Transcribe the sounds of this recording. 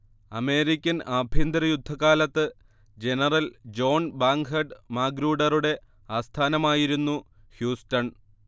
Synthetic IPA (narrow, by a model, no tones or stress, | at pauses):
ɐme̞ːɾikʲːɐnɐbʱind̪ɾɐjud̪ʱːɐkaːlɐt̪ːɨ | d͡ʑe̞nɐrɐld͡ʑo̞ːnbaːŋɦɐɖmaːɡɾuːɖɐruɽe̞ | aːst̪ʰaːnɐmaːjiɾunːu | hjuːstɐn